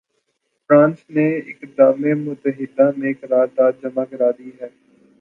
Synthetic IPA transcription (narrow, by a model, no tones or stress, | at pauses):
fɾãːnsneɪkd̪aːmemʊt̪əɦɪd̪amẽːkɾaːd̪aːt̪̚d͡ʒɐmaːkəɾaːd̪iːɦɛː